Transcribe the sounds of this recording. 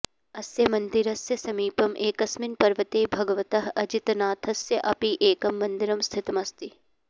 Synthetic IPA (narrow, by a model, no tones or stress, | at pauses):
ɐsjɐmɐ̃nd̪ɪɾɐsjɐsɐmiːpɐmʔeːkɐsmɪnpɐɾʋɐt̪eːbʱɐɡɐʋɐt̪ɐɦɐd͡ʒɪt̪naːt̪ʰɐsjɐʔɐpiʔeːkɐmːɐnd̪ɪɾɐmst̪ʰɪt̪mɐst̪i